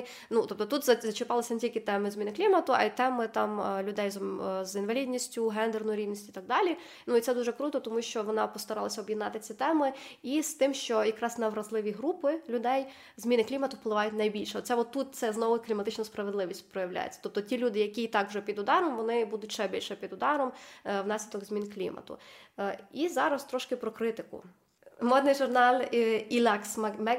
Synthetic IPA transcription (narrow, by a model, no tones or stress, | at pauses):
nut̪ɔpt̪ɔt̪ut̪zɐzɐt͡ʃɪpɑlˠɪsʲɐnetʲilʲkɪt̪ɛmɪzʲmʲinɪklʲimɐt̪ʊʔɐ̰it̪ɛmɪt̪ɑmlʲʊd̪ɛjzzinʋɐlʲidʲnʲisʲtʲʊɦɛnd̪ernʊjʊɾʲiwnʲisʲtʲʊit̪ɑɡ̚d̪ɑlʲi | nuit̪sɛd̪uʒɛkɾut̪ɔt̪ɔmuʃt͡ʃɔʋɔnɑpɔst̪ɐɾɑlˠɐsʲɐɔbjɪd̪nɑt̪ɪt͡sʲit̪ɛmɪist̪ɪmʃt͡ʃɔjɐkɾɑznɐʋɾɐzlˠɪʋʲiɦɾupɪlʲʊd̪ɛj | zmʲinɪklʲimɐt̪ʊwplˠɪʋɑjʊtʲnɐjbʲilʲʃɛɔt̪sɛʋɔt̪ːut̪̚t̪sɛznɔʋʊklʲimɐt̪ɪt͡ʃnɐspɾɐʋedlˠɪʋʲisʲtʲpɾɔjɐʋlʲa̰jḛt͡sʲɐ̥t̪ɔp̚t̪ɔtʲilʲud̪ɪjɐkʲiːt̪ɑkwʒɛpʲid̪ʊd̪ɑɾɔmʋɔnɪbud̪ʊt̚ʲʃɛbʲilʲʃɛpʲid̪ʊd̪ɑɾɔmwnɑsʲlʲid̪ɔɡzmʲinklʲḭmɐ̰t̪ʊ̰ | izɑɾɐst̪ɾɔʃkɪpɾɔkɾɪt̪ɪkʊ̰ | mɔd̪nɪjʒʊrnɑlʲilʲɑksmmɛ